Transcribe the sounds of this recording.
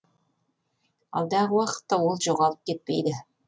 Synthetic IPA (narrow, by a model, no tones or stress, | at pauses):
ɑlˠd̪ɑʁəwɑqə̥t̪ːɑwolˠʒoʁɑlˠəp̚kʲet̪̚pejd̪ɪ